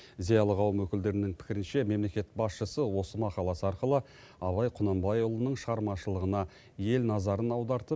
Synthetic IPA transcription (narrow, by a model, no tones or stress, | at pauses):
zijɑlˠəʁɑwəmwɵkʲɪld̪e̞ɾɪnɪŋpʰɪ̥kʲɪɾɪnʃe̞me̞mle̞kʲet̪̚bɑsʃəsəwo̞səmɑqɑlˠɑsəɑɾqəlˠə | ɑβɑjqʰʊnɑmbɑjʊlˠənəɴʃəʁɑɾmɑʃəlˠəʁənɑ | je̞lnɑzɑɾənɑwd̪ɑɾt̪əp